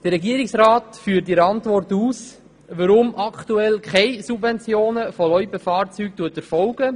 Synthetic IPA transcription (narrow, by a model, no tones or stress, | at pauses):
d̥ərːɛɡiəɾɪksɾaːtfyːɾtiɾɑntʋɔrtuːs | ʋəɾʊmʔɑktuɛlkʰχɛɪsubvɛnt͡sjoːnəfɔlœʏpəfɑːɾt͡syːk̚tuətəɾfɔlɡə